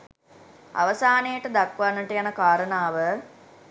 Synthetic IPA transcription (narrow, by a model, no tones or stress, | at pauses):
a̰ʋəsaːnejəʈəd̪akʋanːəʈəjanəkaːɾənaːʋə